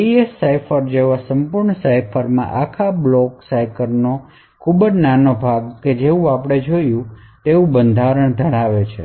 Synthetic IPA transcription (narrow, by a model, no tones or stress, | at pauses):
iesːajfʰəɾd͡ʒeʋasəmpuɾɳəsajfʰəɾmã̰ʔakʰablɔksajkəɾno | kʰubəd͡ʒnanobʱaɡked͡ʒeũapəɽ̃ed͡ʒojũ | t̪eʋũbənd̪ʱaɾəɳd̪ʱəɽ̃aʋet͡ʃʰḛ